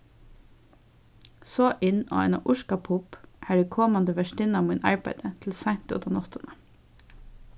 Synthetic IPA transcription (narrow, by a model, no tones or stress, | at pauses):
soːʔɪno̰ːæɪnɑ̰ʔʊʃkɑpʰʊpʔæːɖeːkʰɔmɑnd̪əʋæʃʈɪnɑːʋmiːnɑ̰ɹbæɪd̪ət̪ʰl̩sæɪn̥t̪ɪɔ̰t̪ɑnɔt̪ənə